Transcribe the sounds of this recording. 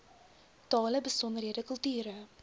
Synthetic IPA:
tɑːləbəsɔndərɦiədəkɵlˠtyːɾə

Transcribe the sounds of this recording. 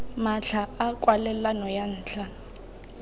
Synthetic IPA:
maɬʰaakʼwalɛlanɔjan̩ːt͡ɬʰa

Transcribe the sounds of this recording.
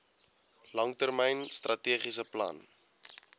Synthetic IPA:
lɐŋtərmɛjnst̪rʔɐtiəχisəplɐ̰n

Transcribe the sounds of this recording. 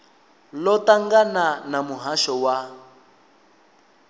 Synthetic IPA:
lɔtʼaŋɡananamuɦaʃɔwa

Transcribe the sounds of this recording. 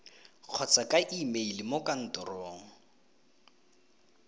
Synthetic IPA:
q͡χʰɔt͡sakʼaʔimeilɪmokʼan̩tɔrɔːŋ̩

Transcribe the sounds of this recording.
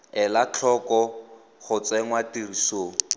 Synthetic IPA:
ɛlat͡ɬʰɔkɔ | χʊt͡sɛŋwatirisoːŋ̩

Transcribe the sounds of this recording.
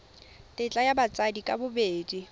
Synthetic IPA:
tʼɪt͡ɬʼajabat͡sʼadikʼabʊbeːdi

